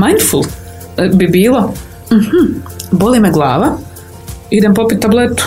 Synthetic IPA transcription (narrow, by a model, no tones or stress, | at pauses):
majnd̪̥fulˠ | bibiːlˠo | m̩hm̩bolimeɡlˠaːʋa | id̪empo̞pit̪ːablet̪u̥